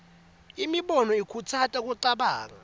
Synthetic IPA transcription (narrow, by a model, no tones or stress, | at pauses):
imiɓɔnɔikʰutʰatʼak̬ʼuǃaɓaːk̬a